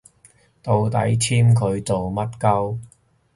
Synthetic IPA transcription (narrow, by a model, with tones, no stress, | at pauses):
t̪o˨˧wt̪ɐ̰˨˥jt͡sʰiː˥mkʰɵ˨˧ɥt͡so˨wmɐ˥t̚kɐ˥w